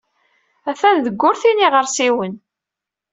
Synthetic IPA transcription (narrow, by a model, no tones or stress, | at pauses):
æθæððəɡːʊɾθiniʁəɾsiwən